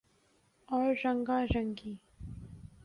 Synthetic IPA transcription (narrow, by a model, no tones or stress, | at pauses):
ɔːɾːɐŋɡaːɾɐŋɡiː